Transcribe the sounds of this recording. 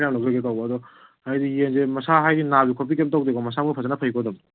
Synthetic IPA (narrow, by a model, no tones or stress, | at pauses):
jamlakzaɡekawbaːdɔ | hajdijenzemɐsaɦajdinabikʰop̬ikemt̬awdeɡɔmɐsamɡapʰazanapʰajkʰɔdɐm